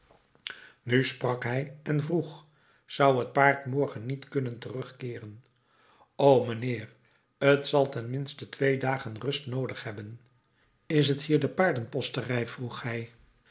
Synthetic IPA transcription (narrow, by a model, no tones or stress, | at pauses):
nysprɑkɦɛjɛnvruχ | z̥ʌwɦət̚paːɹtmɔɹχənːitkɵnəntərɵχkɪːrən | owmənɪːr | ətsɑlˠtɛnmɪnstətʋejdaːχənrɵstnowdəχhɛbən | ɪs̬ɦəthiːɹdəpaːɹdənpɔstərɛjv̥ruχhɛj